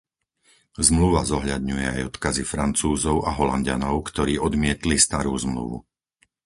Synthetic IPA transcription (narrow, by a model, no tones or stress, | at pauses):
zmluʋazɔɦʎad̪ɲujɛa̰jɔt̪kazifɾant͡suːzɔʊʔaɦɔlanɟa̰nɔʊkt̪ɔɾiːɔd̪mɪɛt̪list̪aɾuːzmlṵʋṵ